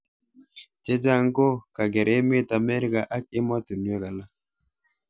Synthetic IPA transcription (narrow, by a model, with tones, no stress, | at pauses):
t͡ʃe˦d͡ʒa˦ŋ˦ko˦ka˨ɡɛ˨ɾe˦me˦˨ta˨mɛ˦ɾɪ˦ka˨ʔa˦k̚ɪ˦mɔ˦tu˨nwe˦ka˨la˦